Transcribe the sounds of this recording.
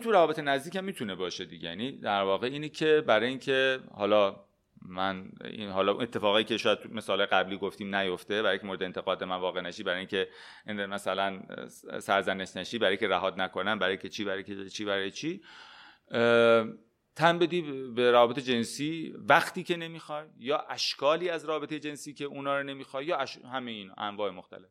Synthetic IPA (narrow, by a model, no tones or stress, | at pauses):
it̪uɾævɒːbe̞t̪ʰenæzd̪iːcæmːiːt̪ʰunebɒːʃe̞d̪iɟejænid̪æɾvɒːɣeiːnecʰebæɾɒːjiːŋkʰehɒːlɒ | mænḭɦɒːlɒṵnet̪ʰːe̞fɒːɣiːcʲeʃɔːjæd̪̚t̪ʰume̞sɒːlɑːjeɡæbliːɡoft̪iːmnæjoft̪e̞bæɾjĩŋkʰemoɾed̪ent̪e̞ɣɒːd̪bemænvɒːɣenæʃiːbæɾɒːjiːŋcʰe̞ | mæsælænsæɾzæneʃnæʃiːbæɾɒːjikʰʲeɾæɦɒːd̪nækʰonæmbæɾjikʰet͡ʃʰiːbæɾɒjikʰet͡ʃʰiːbæɾɒːjet͡ʃʰiː | t̪ʰæmbe̞d̪iːbeɾævɒːbe̞t̪ʰed͡ʒe̞nsiːvæxt̪iːcʰe̞ne̞miːxɒːjːɒːʔæʃkʰɒːliːæzɾɒːbe̞t̪ejed͡ʒe̞nsiːcʲʰeunɒːɾone̞miːxɒjjɒːæʃhæmejiːn̰ʔæɱvɒːemoxt̪æ̰le̞f